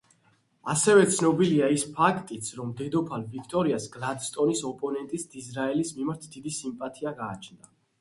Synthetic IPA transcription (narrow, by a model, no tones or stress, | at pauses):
a̰sɛvɛt̪sʰnɔbiliaispʰakʰt̪ʼit̪sʰɾɔmd̪ɛd̪ɔpʰalvikʰt̪ʼɔɾiasɡlad̪st̪ʼɔnisɔpʼɔnɛnt̪ʼisd̪̥izɾaɛlismimaɾt̪ʰd̪̥id̪isimpʼat̪ʰiaɡaːt͡ʃʰnd̪a